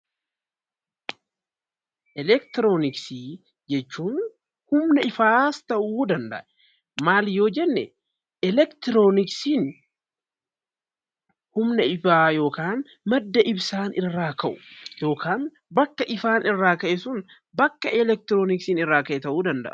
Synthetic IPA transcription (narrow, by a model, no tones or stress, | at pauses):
ʔɛlɛkt̪ɪɾoːnɪksi | d͡ʒɛt͡ʃːuːn | hʊmnɐɪfaːst̪ɐʔuːd̪ɐnd̪ɐ̰ʔɛ | maːljo̞ːd͡ʒɛnːɛ | ɛlɛkt̪ɪɾoːnɪksiːn | hʊmnɐɪfaːjo̞ːkaːn | mɐd̪ːɐʔɪbsaːnɪrːaːkɐʔʊ̥jo̞ːkaːn | bɐkːɐʔɪfaːnɪrːaːkɐʔɛsʊn | bɐkːɐʔɛlɛk̚t̪ɪɾoːnɪksiːnɪrːaːkɐʔɛt̪ɐʔuːd̪ɐnd̪ɐ̰ʔ